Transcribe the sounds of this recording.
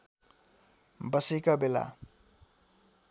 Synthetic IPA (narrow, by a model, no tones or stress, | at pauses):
bʌsekabela̰